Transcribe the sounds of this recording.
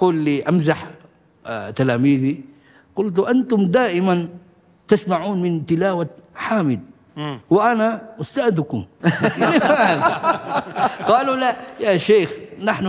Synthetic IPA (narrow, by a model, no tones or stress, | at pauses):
quːlːiʔamzaħ | t̪alaːmiːði | qʊlt̪̬ʔant̪ʊmd̪aːʔɪman | t̪asmaʕuːnmɪnt̪ɪlaːwaħaːmɪd̪̚ | wɪʔanaʊst̪aːʔd̪kʊmlɪmaːð | qɑːlulajaːʃeːxnaħn